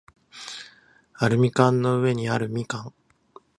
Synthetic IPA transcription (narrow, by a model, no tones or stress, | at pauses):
aɾɯ̟mʲikãnːo̞ɯ̟e̞ɲ̟iaɾɯ̟mʲikãŋ